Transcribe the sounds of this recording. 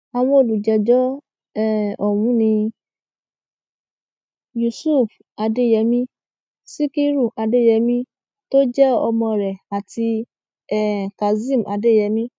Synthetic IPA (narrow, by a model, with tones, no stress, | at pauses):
a˨w̃ɔ̃˧o˨lu˨d͡ʒɛ˨˦d͡ʒɔ˦ | ɛ˦˨ɔ˨wũ˨˦nĩ˧ | ju˨su˦˨f | a˧de˦˨jɛ˧˦mĩ˦ | si˦ki˦ɾu˦˨a˧de˦˨jɛ˧mĩ˦ | to˦d͡ʒɛ˦ɔ̰˧mɔ̃˧ɾɛ˨a˨ti˧ | ɛ˦˨ka˨zĩ˦˨m˨ʔa̰˧de˦˨jɛ˨˧˦mĩ˦